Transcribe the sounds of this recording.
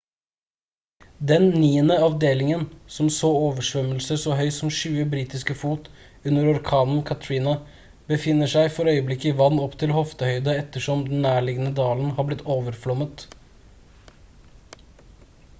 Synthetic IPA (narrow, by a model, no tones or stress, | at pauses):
d̪ɛnnːiːənəɑʋd̪eːlɪŋənsɔmsoːoːʋəʂʋœməlsəsɔɦœʏsɔmʂʉːəbɾiːt̪ɪskəfuːt̪ | ʉnːəɾɔɾkʰɑːnənkʰɑt̪ʰɹiːnɑ | bəfɪnːəʂæɪfɔɾœʏəblɪkːəɪʋɑnːɔpːt̪ʰɪlhɔft̪əhœʏd̪əɛt̪ːəʂɔmd̪n̩ːæːɭɪɡənəd̪ɑːln̩hɑːblɪt̪ʰːoːʋəɾflɔmət̪